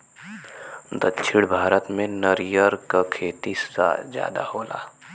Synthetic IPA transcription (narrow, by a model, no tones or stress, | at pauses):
d̪ətːʃʰɪɽbʱaːɾət̪mẽnəɾijəɾkakʰeːt̪isa̰d͡ʒja̰ːd̪a̰hoːlʔa̰ː